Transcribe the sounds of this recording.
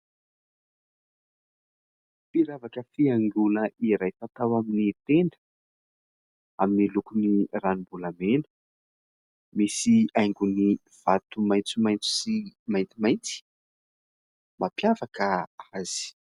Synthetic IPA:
piɾavakəfiaŋɡuləʔiɾajfat̪awaminit̪eɳdə̥ | aminilukuniranibulamenə̥ | misiajŋɡuni | v̥at̪umajt͡sumajnt͡su̥simajnt̪imajnt͡si̥ | mapjavakəaz̥i̥

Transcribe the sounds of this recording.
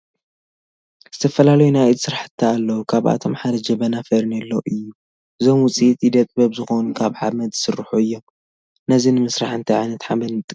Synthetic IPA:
z̥ɨt̪ʰɐfɐlalɐjunajt̪sɨɾaħɨ̥t̪ʰːaːlːɐwkʰaβʔa̰t̪ʰo̞mħad̪ɐd͡ʒɐβɐnafɐɾnɐlːoʔɨjːu | ɨzo̞mwʊt͡sʼit̪jid̪ɐt̪ʼbɐβzɨxonukʰaβʕamɐd̪zɨ̥sɨrːħuɨjːom | nɐzinɨmɨsɾaħɨnt̪ʰɐʕa̰jnɐt̪ħabɐnɨt̪ʼ

